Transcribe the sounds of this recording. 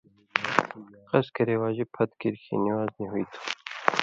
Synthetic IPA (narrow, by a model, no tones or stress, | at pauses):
qɐskɐɾewɑːʑipʰɐt̪kiɾkʰḭniwaːzniɦujt̪ʰu̥